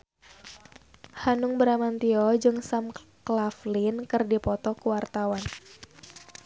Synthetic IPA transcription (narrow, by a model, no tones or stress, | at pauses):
hanʊŋbəɾamant̪iɔd͡ʒɨŋsamklaflinkɨrdipɔt̪ɔkuwart̪awan